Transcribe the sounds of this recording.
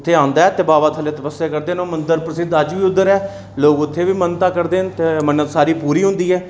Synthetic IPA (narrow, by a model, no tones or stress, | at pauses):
t̪ʰːeːãːnd̪aːɛːt̪eːbaːʋaːt̪ʰəleːt̪əpəsːeːkəɾd̪eːnõːmənd̪əɾpɾəsɪd̪əd͡ʒʋiːʊd̪ːəɾɛː | loːkʊt̪ʰːeːʋiːmənt̪aːkəɾd̪eːnt̪emənːət̪saːɾiːpuːɾiːɦʊ̃nd̪iːɦɛː